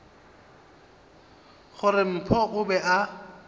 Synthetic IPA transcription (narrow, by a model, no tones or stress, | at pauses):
χʊrɪm̩pʰɔʔʊbɛʔa